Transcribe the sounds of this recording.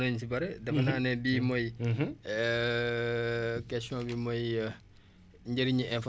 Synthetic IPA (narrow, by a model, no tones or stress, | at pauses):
nɐɲs̬ibɐɾɛdɐfɐnanɛbimɔj | kɛsõbimɔj | ɲɟəɾiɲiʔɛnf